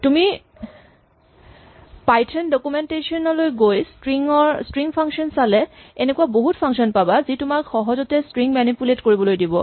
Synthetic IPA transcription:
tumi | pajtʰɔndɔkumɛntesiɔnɔlojɡojstɹiŋɔɹstɹiŋpʰaŋksiɔnsalɛɛnekuaboɦutpʰaŋsɔnpabazitʊmakxɔɦɔzɔtɛstɹiŋmɛnipuletkoɹibɔlojdibɔ

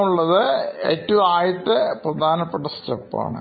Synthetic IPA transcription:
uɭːɐðɨḛːtːɐʋumaːjɐt̪ːɨprɐd̪ʱaːnɐpːeʈːɐstɐpːa̰ːɳɨ̰

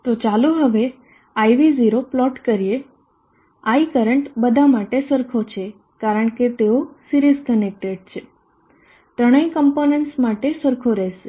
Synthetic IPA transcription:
t̪ot͡ʃaluɦəʋe | aiʋiziɾoplɔʈkəɾije | aikəɾəɳʈbəd̪ʱamaʈesəɾkʰot͡ʃʰe | kaɾəɳ̃ket̪eosiɾizkənek̚ʈeɖ̚t͡ʃʰe | t̪ɾəɽ̃əikəmponeɳʈsmaʈesəɾkʰoɾɛʃe

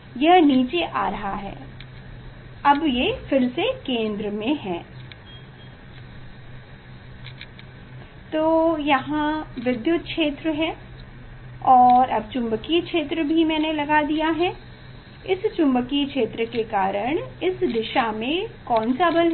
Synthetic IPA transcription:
jɐɦniːt͡ʃeʔa̰ːɾɐɦaɦɛ̰ː | ɐbjefɪɾsekẽːnd̪ɾəmẽɦɛ̃ː | t̪oːjɐɦãʋɪd̪jʊt̪̚kʃeːt̪ɾəɦɛ̃ː | ɔːɾɐb̚t͡ʃʊ̃mbəkikʃeːt̪ɾəbʱimɛ̃ːnelɐɡad̪ijaɦɛ̃ː | ɪst͡ʃʊ̃mbəkikʃeːt̪ɾəkekaːɾəɽ̃ɪsd̪ɪʃamẽkɔ̃ːnsabəlɦɛ

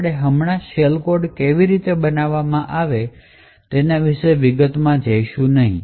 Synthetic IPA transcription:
ɽeɦəmɳaʃelkoɖkeʋiɾit̪ebənaʋːamãʔaʋe | t̪enaʋiʃeʋiɡət̪mãd͡ʒəjʃũnəɦḭ̃

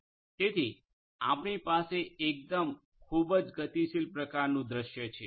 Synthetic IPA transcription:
t̪et̪ʰi | a̰pɳipaseek̚d̪əm | kʰubəd͡ʒɡət̪isilpɾəkaɾnũd̪ɾəʃjət͡ʃʰe

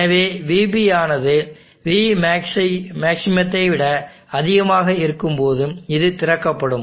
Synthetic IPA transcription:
ɐʋeːʋiːbiaːnɐðɯ | ʋiːmɐɪmaːksɪmɐt̪ːɐɪʋɪɽɐ | ɐðɪɣɐmaːɣɐɪɾɯkːɯmpoːðɯmɪðɯt̪ɪɾɐkːɐpːɐɽɯm

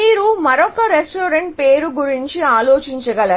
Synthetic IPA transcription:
iːɾumɐɾɔkɐɾesʈoːɾeɳʈ̚pe̞ːɾuɡuɾiɲt͡ʃiaːloːt͡ʃiɲt͡ʃɐɡɐlɐ

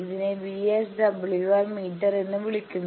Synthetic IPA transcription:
iðineʋiesɖɐbɭiɣalmiːʈːɐɾenːɨʋiɭikʲːunː

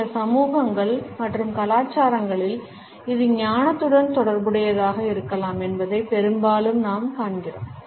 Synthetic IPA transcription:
ɐsɐmuːɣɐŋɡɐɭmɐʈrɯmkɐlaːt͡ʃːaːɾɐŋɡɐɭɪl | ɪðɯɲaːnɐt̪ːɯɽɐnt̪ɔɽɐɾbɯɽɐjɐðaːɣɐɪɾɯkːɐlaːmɛnbɐðɐɪpɛɾɯmbaːlɯmnaːmkaːɳɡɪro̰ːm

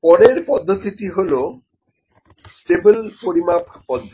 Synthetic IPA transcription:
pɔɾeɾpɔd̪ʱːot̪it̪iɦolo | sʈebelpoɾimapʰpɔd̪ʱːo

